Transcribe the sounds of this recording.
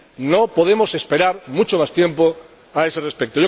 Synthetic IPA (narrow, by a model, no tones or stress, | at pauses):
no̞poð̞e̞mo̞se̞spe̞ɾaɾmut͡ʃo̞mast̪je̞mpo | ae̞sere̞spek̚t̪oʝo